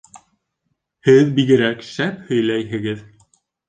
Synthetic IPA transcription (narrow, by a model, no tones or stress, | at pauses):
hɘðbiɡɘ̆ɾækʃæphɵ̆jlæjɦɘ̆ɡɘð